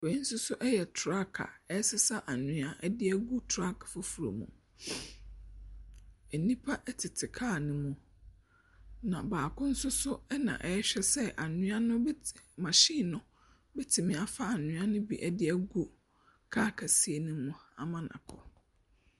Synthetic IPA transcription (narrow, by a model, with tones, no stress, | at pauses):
fɛ̃˨ĩ˦n̩˦sʊ˦sʊ˦ʔɛ˦jɛ˨tʰɾa˦kʰa̰˨ɛ˦sɪ˦sa˦ʔa˨nʊ̃˦a˦ʔɛ˦dɪ˦ɛ˦ɡu˦tʰa˦kʰḁ˨fo˦fu˨ɾo̰˨mṵ̃˨ | ɛ˨nĩ˦pʰa˦ʔɛ˦tʰɪ˨tʰɪ˨kʰaː˦˨nʊ̃˨mũ˨ | nã̰˨baː˨kʰʊ̃˦n̩˦sʊ˦sʊ˦ɛ˦nã̰˨ʔɛ˦ɕᶣɛ˦sɛ˦ʔa˨nʊ̃˦a˦nʊ̃˦mã˨ɕi˦˨nʊ̃˦ | bɛ˦tʰɪ˨mɪ̃˨a˨fa˨a˨nʊ̃˨˦a˦nʊ̃˦bḭ˨ʔɛ˦dɪ˦ɛ˦ɡu˦ | kʰa˦kʰa˨si˦e˨nũ˦mũ˦a̰˨mã˨nã̰˨kʰɔ̰˨